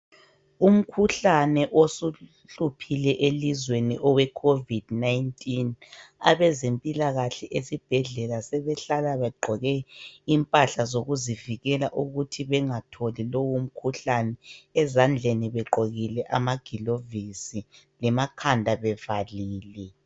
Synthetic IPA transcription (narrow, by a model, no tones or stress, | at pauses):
um̩kʰuɬanɛʔosu | ɬupʰilɛʔelizweniʔɔwɛkʰovid̥najntʼina̰βɛzempʼilaɣaɬɛʔesib̥ʱɛɮɛlasɛβɛɬalaβɛɡ͡ǃʱɔɣɛimpʼaɬazoɣuziviɣɛlaʔuɣutʰiβɛŋatʰɔlilowum̩kʰuɬanɛɛzand͡ɮʱeniβɛɡ͡ǃʱoɣilɛʔamaɡ̥ʱilovisi | lɛmakʰandʱaβɛvaliːlɛ